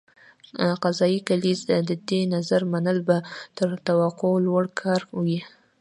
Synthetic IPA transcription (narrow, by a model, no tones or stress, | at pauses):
qazɑjikalizd̪əd̪enazaɾmanəlbat̪əɾt̪awaqolwaɽkʰɑɾwi